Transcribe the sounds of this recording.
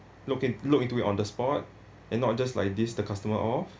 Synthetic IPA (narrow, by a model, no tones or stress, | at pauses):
lukĩlukĩntuiʔɔ̃ndəspɔt̚ | ʔɛ̃nːɔt̚d͡ʒasla̰jk̚disdəkʰastəməʔɔf